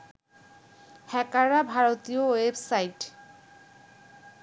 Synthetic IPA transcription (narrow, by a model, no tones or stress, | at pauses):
hɛkaɾabʱaɾot̪iowebsajʈ